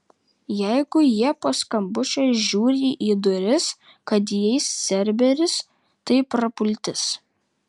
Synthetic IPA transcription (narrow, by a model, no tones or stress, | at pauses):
jɛɪɡʊjiɛpoːskɐmbʊt͡ʃʲoːsʒʲuːɾʲiːʔiːd̪ʊɾʲɪs | kɐt̪jɛɪsːʲɛɾʲbʲɛɾʲɪs | t̪ɐɪpɾɐpʊlʲt̪ʲɪs